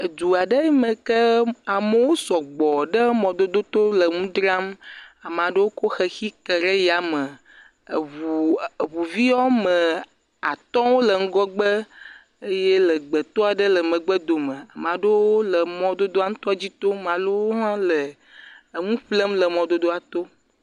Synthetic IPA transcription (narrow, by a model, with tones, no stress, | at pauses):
ə˨d̪u˨a˨ɖə˦mə̃˨kə˦a˨mə˨wo˦sɔ˨ɡ͡bɔ˨ɖə˦mɔ̃˨d̪o˦d̪o˦t̪o˦lə˨ŋũ˦d̪ɾa˦ma˨m˨a˨ɖə˦wo˦ko˦xə˦xi˦kə˨ɾə˦ja˨mə˨ | u˨vu˨vi˦ɔ˦mə̃˨ | a˨t̪ɔ̃˦wo˦lə˨ŋ̩˦ɡɔ˦ɡ͡bə˦ | e˦je˦lə˨ɡ͡bə˨t̪o˦a˨ɖə˦lə˨mə̃˨ɡ͡bə˦d̪o˨mə̃˨a˨m˨a˨ɖə˦wo˦lə˨mɔ̃˦d̪o˦d̪o˦a˦ŋ̩̃˦t̪ɔ˦a˦d͡ʑi˦t̪o˦m˨ã˨lo˦wo˦ɦã˦lə˨ | ŋũ˦ɸlə˦mlə˨mɔ̃˨d̪o˦d̪o˦a˨t̪o˦